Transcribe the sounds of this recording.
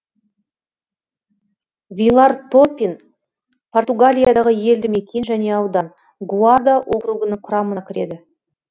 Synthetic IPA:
vʲijlˠart̪opʲːin | pʰo̞rt̪uɡalʲijad̪ɑʁəje̞ld̪ɪme̞kʲʰe̞nʒæne̞ɑwd̪ɑn | ɡuard̪aʔo̞kɾuɡənəɴqʰʊɾɑmənɑkʲʰɪɾe̞̰d̪ɪ

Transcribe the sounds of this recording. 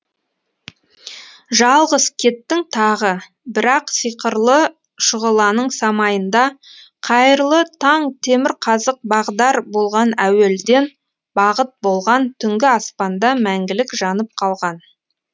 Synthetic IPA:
ʒɑlˠʁəzkʲʰe̞t̪ːɪŋt̪ʰɑʁə | bɪɾɑqsijqəɾlˠə | ʃʊʁəlˠɑnəɴsɑmɑjənd̪ɑ | qʰɑjəɾlˠət̪ʰɑɴt̪ʰe̞mɪɾqʰɑzəq̚bɑʁd̪ɑɾbo̞lˠʁɑnæwe̞ld̪e̞n | bɑʁət̪̚bo̞lˠʁɑnt̪ʰʏŋɡʲɪɑspɑnd̪ɑmæŋɡʲɪlɪkʒɑnəp̚qʰɑlˠʁɑn

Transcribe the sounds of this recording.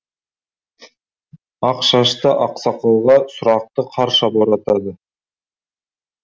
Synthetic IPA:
ɑqʃɑʃt̪əʔɑqsɑqɑwʁɑsʊɾɑq̚t̪əqʰɑɾʃɑboɾɑt̪ɑd̪ə

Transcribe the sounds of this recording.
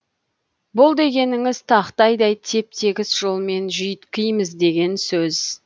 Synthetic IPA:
bʊlˠd̪e̞ɡʲe̞nɪŋɪz̥t̪ʰɑqt̪ɑjd̪ɑjt̪ʰe̞p̚t̪ʰe̞ɡʲɪsʒo̞lˠme̞nʒijət̪kʲijməzd̪e̞ɡʲe̞nsɵz

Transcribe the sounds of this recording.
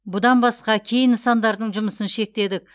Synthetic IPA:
bʊd̪ɑnbɑsqɑkʲʰe̞jɪnsɑnd̪ɑɾd̪əɴʒʊməsənʃe̞k̚t̪e̞d̪ɪk̚

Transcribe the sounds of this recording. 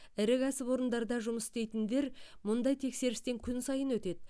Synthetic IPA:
ɪɾɪkʲæsɪpwo̞ɾənd̪ɑɾd̪ɑʒʊməsɪ̥st̪e̞jt̪ɪnd̪e̞ɾmʊnd̪ɑjt̪ʰe̞kse̞ɾɪst̪e̞ŋkʲʰʏnsɑjənwɵt̪e̞d̪ɪ

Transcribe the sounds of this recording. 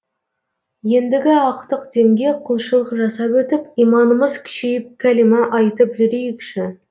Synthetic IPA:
je̞nd̪ɪɡʲɪɑqt̪əqd̪e̞mɡʲe̞qʰʊlˠʃəlˠəqʒɑsɑpwɵt̪ɪpijmɑnəməzkʲʰʏ̥ʃejɪp̚kʲʰælimɑʔɑjt̪əpʒʏɾejɪkʲʃɪ

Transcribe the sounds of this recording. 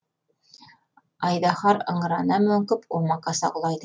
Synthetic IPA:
ɑjd̪ɑχɑɾɤ̰̆ɴɤ̆ɾɑnɑmɵ̆ŋkɵpʰumɑqɑsɑ̰qŭlˠɑjd̪ɤ

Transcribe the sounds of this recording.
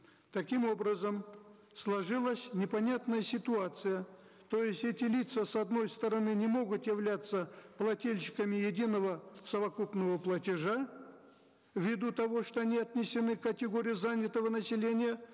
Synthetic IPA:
t̪ɐkʲimo̞bɾəzəm | slˠɐʐɨlˠəsʲnʲɪpɐnʲat̪nəjəsʲɪt̪ʊat̪sɨjə | t̪o̞jɪsʲtʲɛtʲɪlʲit̪səsɐd̪no̞jst̪əɾɐnɨnʲɪmo̞ɡʊt̪jɪvlʲat̪sːəplˠɐtʲelʲɕɪ̥kəmʲɪjɪdʲinəvəsəvɐkupnəvəplˠətʲɪʐa | vʲɪd̪ut̪ɐvo̞ʂt̪o̞ɐnʲiɐt̪nʲɪsʲɪnɨkətʲɪɡo̞ɾʲɪjʊzanʲɪt̪əvənəsʲɪlʲenʲɪjə

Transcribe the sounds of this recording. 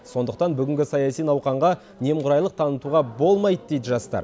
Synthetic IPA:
so̞nd̪əq̚t̪ɑnbʏɡʲɪŋʲɡʲɪsɑjɑsijnɑwqɑɴʁɑ | ne̞mqʰʊɾɑjlˠəq̚t̪ʰɑnət̪uʁɑbo̞lˠmɑjd̪əd̪e̞jd̪ɪʒɑst̪ɑ̰ɾ

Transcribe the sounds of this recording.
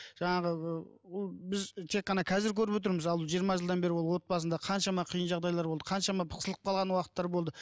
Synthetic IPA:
ʒ̥ɑɴɑʁəə | wolˠbɪzt̪ʰe̞qːɑnɑkʰɑzɪɾkʲʰɵɾɪpwot̪̬ɪɾmɪzɑlˠʒijəɾmɑʒəlˠd̪ɑnbe̞ɾɪwo̞lˠwo̞t̪̚pɑsənd̪ɑqʰɑnʃɑmɑqʰijənʒɑʁd̪ɑjlˠɑɾbolˠd̪ə̥qʰɑnʃɑmɑpʰə̥qsəlˠqə̥pqʰɑlˠʁɑnwɑqət̪ːɑɾbo̞lˠd̪ə

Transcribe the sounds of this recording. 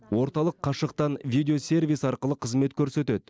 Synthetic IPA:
wʔo̞ɾt̪ɑlˠəqʰːɑʃəqt̪ɑnvʲijd̪ʲeosʲe̞rvʲijsɑɾqəlˠəqʰəzme̞t̪kʲʰɵɾse̞t̪e̞d̪ɪ

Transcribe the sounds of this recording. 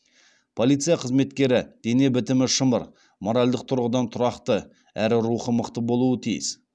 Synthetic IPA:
pʰo̞lˠijt̪sɨjaqʰəzme̞t̪kʲe̞ɾɪd̪̥ene̞bɪt̪ɪmɪʃəmə̰ɾ | mo̞ɾalʲd̪əq̚t̪ʰʊɾʁəd̪ɑnt̪ʰʊɾɑqt̪ə | æɾɪɾuχəməqt̪əbo̞lˠuət̪ʰijɪ̰s

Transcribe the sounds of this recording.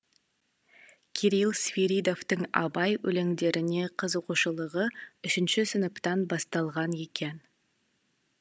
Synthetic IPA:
kʲʰeɾilˠsvʲiɾʲid̪o̞ft̪əɴɑ̰bɑjwɵ̰leŋd̪e̞ɾʔɪne̞qʰəzoquʃəlˠəʁəʏʃɪnʃɪsʏnəpt̪ɑnbɑst̪ɑlˠʁɑne̞kʲe̞n

